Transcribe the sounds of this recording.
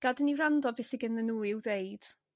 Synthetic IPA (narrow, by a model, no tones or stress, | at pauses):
ɡ̥adənirandɔbɪsɪɡənənuːɪwðejd̥